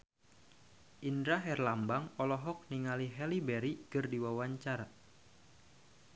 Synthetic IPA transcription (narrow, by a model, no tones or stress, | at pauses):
ʔindɾaɦɛrlambaŋɔlɔɦɔk̚niŋaliɦɛlibɛɾikɨrdiwawaɲt͡ʃaɾa